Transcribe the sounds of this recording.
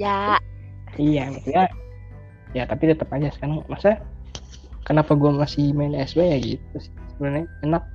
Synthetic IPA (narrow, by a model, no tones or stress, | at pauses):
ja | ijamasuja | jat̪apit̪ət̪əpad͡ʒasə̥kanŋmasa | kənapaɡuamasɪhmaɪnɛsbejaɡḭt̪ut̪ʊssəbənarɲaɛnak̚